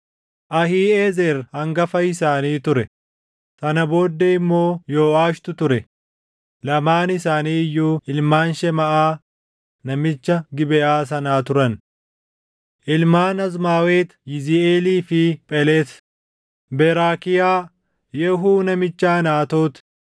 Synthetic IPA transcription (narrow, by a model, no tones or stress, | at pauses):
ʔɐhiːeːzɛɾhɐŋɡɐfɐɪsaːniːt̪ʊɾɛ | sɐnɐbo̞ːd̪ːɛɪmːo̞ːjoːaːʃt̪ʊt̪ʊɾɛ | lɐmaːnɪsaːniːjːuːɪlmaːnʃɛmɐʔaː | nɐmɪt͡ʃːɐɡɪbɛʔaːs̬ɐnaːt̪ʊɾɐn | ʔɪlmaːnɐzmaːweːt̪jɪzɪeːliːfɪpʼɛleːs | bɛɾaːkɪjaː | jɛɦuːnɐmɪt͡ʃːaːnaːt̪o̞ːt̪